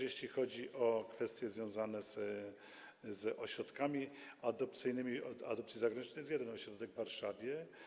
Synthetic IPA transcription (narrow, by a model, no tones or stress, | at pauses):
jeɕlʲixɔd͡ʑiʔɔkfɛst̪ʲjɛzvʲjɔ̃w̃zanɛz | zɔɕɾɔt̪kamʲiad̪ɔp̚t̪sɘjnɘmʲia̰d̪ɔpt̪sjizaɡɾaɲʲit͡ʂnəjɛs̬jɛd̪ɛnɔɕɾɔd̪ɛɡvːaɾʂavʲjɛ